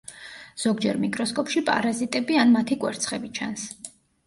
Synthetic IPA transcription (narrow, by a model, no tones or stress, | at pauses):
z̥ɔɡd͡ʒɛɾmikʼɾɔskʼɔpʃipʼa̰ɾazit̪ʼɛbianmat̪ʰikʼwɛɾt̪sʰχɛbit͡ʃʰa̰ns